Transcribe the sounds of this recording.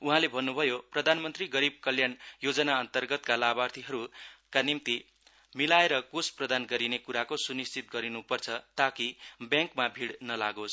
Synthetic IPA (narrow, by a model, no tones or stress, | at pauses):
uɦãlebʱʌnːubʱʌjoprʌd̪ʱanmʌnt̪riɡʌɾib̚kʌljanjod͡zʌnaʌnt̪ʌrɡʌt̪kalabart̪ʰiɦʌɾukanimt̪i | milaeɾʌkosprʌd̪anɡʌɾinekuɾakosunist͡sit̪̚ɡʌɾinupʌrt͡sʰʌt̪akibjãŋkmabʱiɽnʌlaɡos